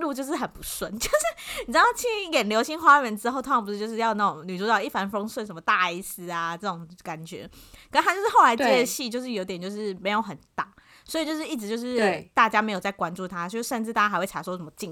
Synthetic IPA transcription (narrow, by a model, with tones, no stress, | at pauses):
lu˥˧t͡ɕjo˥˧ʂ̬ɻ̩˥˩xə˨˩npu˧˦swə˧˥nt͡ɕjo˥˧ʊʂɻ̩˥˩ni˨˩ʈ͡ʂ̩̪˥˩ŋt͡ɕʰi˥jɛ˨˩nljo˧˥ʊɕi˧˥ŋxwa˥˨˩ə˧˥nʈ͡ʂɻ̩˥xo˥˩ʊt̪ʰpu˧˩˥t͡ɕjo˥˧ʊʂɻ̩˥˧jɑ˥˧ʊna˥˩ʊ˨˩ŋny˨˩u˥˩˥ɑ˥˧˩i˥˩fa˧˥nfo˥ŋswə˥˩ʂə˧˥nmə˧t̪a˥˧i˥˩s̩˧˥a˧ʈ͡ʂɤ˥˩ʈ͡ʂʊ˨˩ŋka˨˩nt͡ɕɥɛ̰˧˥˦kʰə˨˩nə˥a˥t͡ɕo˥˧ʊʂɻ̩˥˩xo˥˩ʊla˧˥ɪtt͡ɕiɛ˥˧ɕi˥˩t͡ɕjo˥˧ʊʂ̬ɻ̩˥˩jo˧˥ʊt̪̬ɛ˨˩t͡ɕjo˥˧ʊʂɻ̩˥˩me˧˥ɪjo˧˦ʊxə˨˩nt̪a˨˩˦ | swɔ˧˥i˨t͡ɕjo˥˧ʊʂ̬ɻ̩˥˧i˥˩ʈ͡ʂɻ̩˧˥t͡ɕjo˥˧ʊʂɻ̩˥˧t̪a˥˩t͡ɕja˥me˧˥ɪjʊt͡sa˥˩ɪkwa˦nʈ͡ʂu˥˩t̪ʰa˥o˥˧˥ʂə˥˧nʈ͡ʂɻ̩˥˩t̪a˥˩ja˥˧ɪwe˥˩ʈ͡ʂʰa˨˥˩swɔ˥ʂə˧˩mə˧t͡ɕi˥˧ŋ